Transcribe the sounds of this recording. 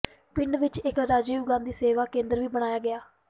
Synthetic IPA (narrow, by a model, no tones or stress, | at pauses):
pɪɳɖʋɪt͡ʃɪkɾaːd͡ʒeːʊɡãːnd̪iːseːʋaːkẽːnd̪əɾʋiːbəɽ̃aːjaːɡɪaː